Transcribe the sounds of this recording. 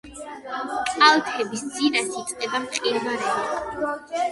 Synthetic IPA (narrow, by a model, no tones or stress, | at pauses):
tʼalˠt̪ʰɛbisd̪zinasit̪sʼqʼɛbamqʼiɾvaɾɛa